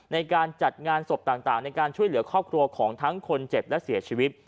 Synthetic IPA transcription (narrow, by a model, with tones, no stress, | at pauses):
na˧jkaː˧nt͡ɕa˨˩t̪̚ŋaː˧nso˨˩p̚t̪aː˨˩ŋt̪aː˨˩ŋna˧jkaː˧nt͡ɕʰu˥˩əjlɯ˩˦ɐkʰɾɔː˥˩p̚kʰɾu˧ɐkʰɔː˩˦ŋt̪ʰa˦˥ŋkʰo˧nt͡ɕe˨˩p̚lɛ˦˥siː˨˩˦t͡ɕʰiː˧wi˦˥t̪̚